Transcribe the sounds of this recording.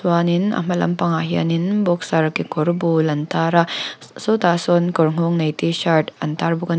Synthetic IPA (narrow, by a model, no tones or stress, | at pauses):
swaninɐ̰mɐlɐ̰mpɐŋaɦija̰ninbok̚saɾkikoɾbulɐntʰaɾasotasonkɔɾŋoŋnɐjtisaɾtɐ̰ntaɾbuɡɐn